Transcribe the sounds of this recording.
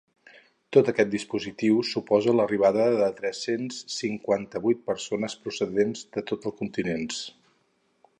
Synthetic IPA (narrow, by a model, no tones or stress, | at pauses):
t̪ot̪əkɛt̪̚d̪ispuzit̪iwsupɔzələriβ̞aðəðət̪ɾɛsensːiŋkwant̪əβujt̪̚pəɾsonəspɾusəðenzðət̪ot̪əlˠskunt̪inens